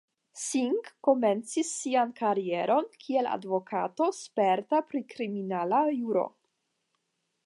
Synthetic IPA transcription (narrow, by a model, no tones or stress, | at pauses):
siŋkːo̞me̞nt͡sisːiankaɾie̞ɾo̞nkʰie̞la̰dvo̞kʰato̞spe̞ɾtapɾikɾiminalajuɾo̞̰